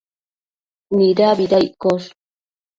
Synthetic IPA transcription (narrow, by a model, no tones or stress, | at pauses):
niɾaβiɾajkoʂ